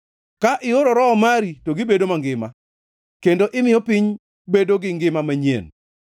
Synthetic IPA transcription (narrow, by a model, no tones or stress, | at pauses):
kaʔɪoɾoɾɔɔmaɾitoɡɪbedomaŋɡɪma̰ | kendoʔɪmɪjɔpɪɲ | bedoɡɪŋɡɪmamaɲjḛn